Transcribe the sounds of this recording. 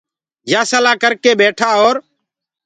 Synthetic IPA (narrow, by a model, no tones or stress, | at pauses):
jaːsəlaːkəɾkeːɓeːʈʰaːoːɾ